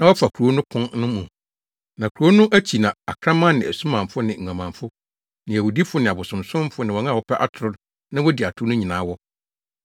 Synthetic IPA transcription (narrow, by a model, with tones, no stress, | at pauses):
nã˦wɔ˦fa˨kʰu˨ɾo˦nʊ̃˦kʰʊ̃˦nnʊ̃˦mũ˨ | nã˨kʰɾu˨o˦nʊ̃˦ʔæ˦t͡ɕʰi˨nã˨a˨kʰɾã˦mã˦nɪ̃˨æ̰˨su˦mã˨mfʊ˦nɪ̃˨ŋ̩˨ã˨mã˨fʊ˦ | nɪ̃˨æ˨wu˨di˦fʊ˦nɪ̃˨a˨bʊ˨sʊ̃˨msʊ̃˦m˦fʊ˦nɪ̃˨wɔ˨ŋã˦˨wɔ˦pʰɛ˦ʔa˦tʰʊ˨ɾʊ˦ | nã˦wɔ˦di˨a˨tʰʊ˦nʊ̃˦ɲĩ˨nãː˨˦wɔ˦